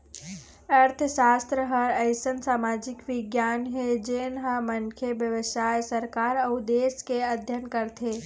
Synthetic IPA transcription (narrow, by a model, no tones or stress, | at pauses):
ɐɾt̪ʰəʃaːst̪ɾəɦəɾəɪsənsaːmaːd͡ʒɪkʋɪɡjaːnɦed͡ʒeːnɦaməŋkʰjeʋjəʋɪʃaːjsɐɾkaːɾɐd̪eːskeɐd̪ʱjənkɐɾt̪ʰeː